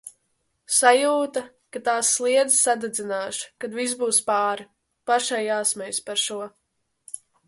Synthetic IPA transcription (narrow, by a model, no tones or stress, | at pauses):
sajuːt̪a | kat̪aːsːlˠiɛd̪zsad̪ɛd̪zinaːʃkad̪vis̬buːspaːɾ | paʃajaːsmɛjspaɾʃuɔ